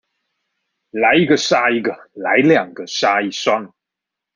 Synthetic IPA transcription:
la˨˦˥ɪi˦˥ɡə˧ʂa˥i˧˥ɡə˧la˨˥ɪljɑ˨˩ŋɡə˦ʂa˥i˥˧˩ʂa˥ŋ

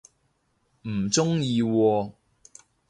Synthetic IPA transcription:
m̩˨˩t͡ʃt͡sʊ˥ŋjiː˧wɔː˧

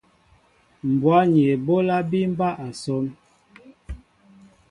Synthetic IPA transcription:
m̩˨bwa˦ɲe˨bo˦la˦bi˦m̩˦ba˦ʔa˨sɔ˦m

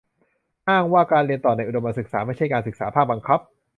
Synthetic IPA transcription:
ʔaː˥˩ŋwaː˥˩kaː˧nɾli˧ənt̪ɔː˨˩na˧jʔu˨˩do˧mba˧nsɯ˨˩k̚saː˩˦ma˥˩jt͡ɕʰa˥˩jkaː˧nsɯ˨˩k̚saː˩˦pʰaː˥˩k̚ba˧ŋkʰa˦˥p̚

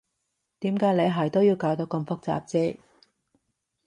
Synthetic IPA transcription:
t̪iː˨˥mkaː˨˥jle˨˧jɦɐ˨˩jt̪o˥wjiː˨˧wkaː˨˥wt̪o˨˥kɐ˧mfʊ˥k̚t͡sa̰ː˨p̚t͡sɛː˥

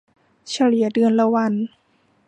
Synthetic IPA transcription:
sʰa˧li˨˩˦ɐ˦dɯ˧ənla˧wa˧˥˨n

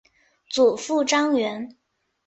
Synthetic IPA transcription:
t͡su˨˩fu˥˩ʈ͡ʂɑ˥ŋɥɛ˧˥n

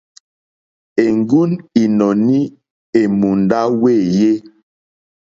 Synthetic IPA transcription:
e˨ŋɡu˦ni˨nɔ˨ni˦ | e˨mu˨nda˦we˦˨je˦

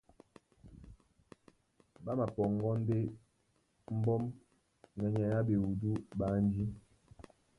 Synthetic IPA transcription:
ba˦ma˨pɔ˨ŋɡɔ˦n̩˦de˦ | m̩˦bɔ˦m | nɛ˨ɲa˨ja˦be˨wu˨du˦ɓa˨˦n˦d͡ʒi˦

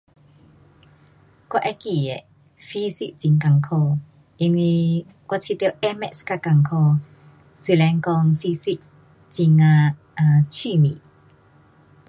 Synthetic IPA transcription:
kwa˧ʔɛ˧˦ki˧˩e˨ | fi˧˦si˦˧k̚t͡ɕi˧ŋka˧˨ŋkʰɔ˧ | ʔi˧ŋwi˧ | kwa˧t͡ɕʰi˧t̪i˧ʔɛ˦˧mɛ̰˧˨ska˧ka˨˩ŋkʰɔ˥˧ | swi˧˨lɛ˨˧˦ŋkɔ˧ŋfi˧si˧ks | t͡ɕi˧ŋa˧ | a˧t͡ɕʰiː˥˧˨mḭ˨

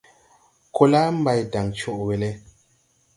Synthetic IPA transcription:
kʰo˦la˦m̩˦ba˨jda˨ŋt͡ʃɔ˦˨ʔwe˨lɛ˦

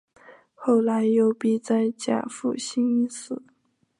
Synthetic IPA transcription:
xo˥˩ʊla˧˥ɪjo˧˥˩ʊpi˨˩t͡sa˥˧ɪt͡ɕja̰˥˩fu˥˩ɕi˥ŋi˥sɹ̩˨˩˦

